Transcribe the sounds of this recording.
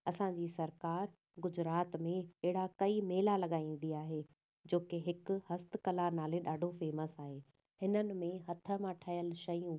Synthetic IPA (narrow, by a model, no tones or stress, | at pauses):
ɐsãɲd͡ʑiːsɐɾkaːɾ | ɡʊd͡ʑɾaːt̪mẽɛɦɪɽakɐimeːlalɐɠaːĩːn̆d̪iaːɦeː | d͡ʑoːkeɦɪkʊ̆hɐst̪̆kɐlanaːleɗaːɖʱofeːməsaːɦeː | hɪnənɪ̆mẽɦɐt̪ʰə̆mãʈʰɐjəlʃɐjũː